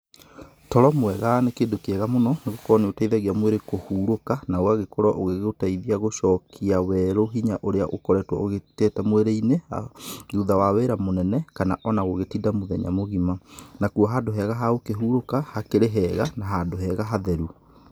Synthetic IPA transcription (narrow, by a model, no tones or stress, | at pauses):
tɔɾɔmwɛɣanekeːndokeɛɣamonɔneɣokɔneotaiðaɣiamweɾekohuːɾokanaoaɣekɔɾɔʔoɣeɣotaiðiaɣoʃɔkʰiawɛɾoɦiɲaʔoɾeaʔokɔɾɛtwɔoɣetɛːtamweɾeineha̰ðuðawaweɾamonɛnɛkana̰ʔɔnaɣoɣetidamoðɛɲa̰moɣimanakuɔɦadoɦɛɣaɦaokeɦuːɾokahakeɾeɦɛɣanaɦadoɦɛɣaɦaðɛɾu